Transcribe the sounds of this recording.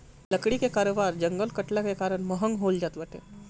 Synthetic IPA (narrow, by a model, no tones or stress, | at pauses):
ləkɽikekaːɾobaɾd͡ʒəŋɡəlkəʈlakekaːɾənməɦəŋɡɦold͡ʒat̪bəʈḛ